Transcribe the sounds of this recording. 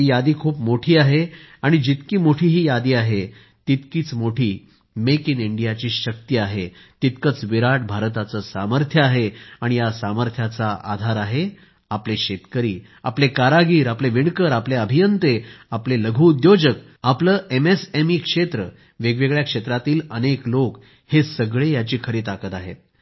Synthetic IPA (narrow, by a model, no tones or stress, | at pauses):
ɦijad̪iːkʰuːpmoʈʰiːaɦeaɽ̃id͡ʑit̪kiːmoʈʰiːɦiːjad̪iːaɦe | t̪it̪kiːt͡smoʈʰiː | mekiniɳɖijat͡ɕiːɕək̚t̪iaɦe | t̪it̪kət͡sʋiɾaʈbʱaɾt̪at͡səsaməɾt̪ʰjəaɦeaɽ̃ijasaməɾt̪ʰjat͡saʔa̰d̪ʱaɾaɦe | apleɕet̪kəɾiː | a̰plekaɾaɡiːɾapleʋiɳkəɾapleəbʱijənt̪eapleləɡʱuːd̪jod͡ʑək | apləːʔemesemiːkʂet̪ɾə | ʋeɡʋeɡɭjakʂet̪ɾat̪iːləneklok | hesəɡɭejat͡ɕiːkʰəɾiːt̪akət̪aɦḛt̪